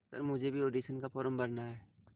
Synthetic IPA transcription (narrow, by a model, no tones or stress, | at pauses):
sɐ̰ɾmʊd͡ʒʱebʱioːɖiːʃənkafɔːɾəmbɐɾnaɦɛː